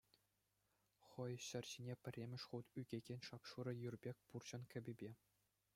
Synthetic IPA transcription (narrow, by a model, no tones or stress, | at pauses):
χɤ̆jɕɘ̆rʲɕinʲepʲɘ̆rʲːemʲɘ̆ʂχut̪yɡʲeɡʲenʲʂɑpʂuɾɤ̆jurbʲekʲpurt͡ɕɤ̆nkʲʰɘ̆bʲɘ̆bʲe